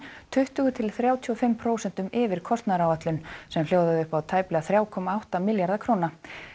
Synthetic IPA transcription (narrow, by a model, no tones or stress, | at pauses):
t̪ʰʏht̪ʏɣʏt̪ʰɪlθɾjaːwt̪ʰiɔfɪmpʰɾoːwsɛnt̪ʏmɪːvɪɾ̥kʰɔst̪naɾawat̪lʏnsɛml̥joːwðaʏhpawt̪ʰaːjplɛɣaθɾjaːwkʰɔːmaawht̪amɪljaɾðakʰɾoːwna